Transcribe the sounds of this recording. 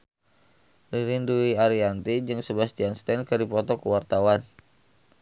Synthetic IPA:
riɾinduiaɾiant̪id͡ʒɨŋsəbasd͡ʒianst̪ɛnkərdipɔt̪ɔkəwart̪awan

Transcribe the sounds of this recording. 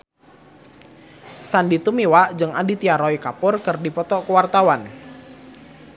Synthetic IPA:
sandit̪umiwaʔd͡ʒɨŋadit̪iaɾɔikapʊrkɨrdipɔt̪ɔkuwart̪awan

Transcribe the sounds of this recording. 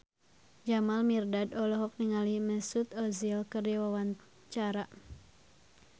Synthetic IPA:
d͡ʒamalmirdadɔlɔɦɔk̚niŋaliməsut̪ɔzilkərd͡ʒawawan | t͡ʃaɾa

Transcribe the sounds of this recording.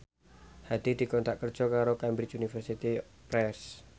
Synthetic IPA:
had̪̥id̪̥i̤kɔnt̪aʔkər̥ʒ̥ɔ̤kaɾokambɾit͡ʃunifərsit̪i | pɾɛrs

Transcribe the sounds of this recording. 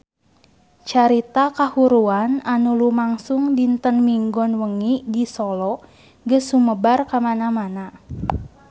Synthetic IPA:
t͡ʃaɾit̪akahuɾuananulumaŋsʊŋdint̪ənmiŋɡɔnwəŋidisɔlɔ | ɡəsuməbarkamanamana

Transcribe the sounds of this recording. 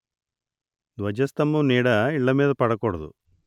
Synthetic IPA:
d̪ʋɐd͡ʒɐst̪ɐmːuniːɽɐiɭːɐmeːd̪ɐpɐɽɐkɔɽɐd̪ṵ

